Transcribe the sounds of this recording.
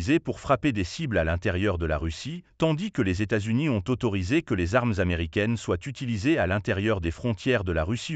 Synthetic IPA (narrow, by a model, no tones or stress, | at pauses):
zepuʁfχaped̪esiblalɛ̃t̪ɛʁjœʁd̪əla̰ʁysit̪ɑ̃d̪ikəlezet̪azyniɔ̃t̪ot̪ɔʁizekəlezaʁmzameʁikʲɛnswat̪yt̪ilizealɛ̃t̪ɛʁjœʁd̪efχɔ̃t̪jɛʁd̪əlaʁysi